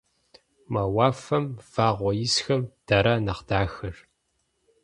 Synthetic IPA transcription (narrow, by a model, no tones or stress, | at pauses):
mɐwɑːfɐmfaːʁʷɔjɪsxɐmd̥ɐɾanɐqd̥aːxɨr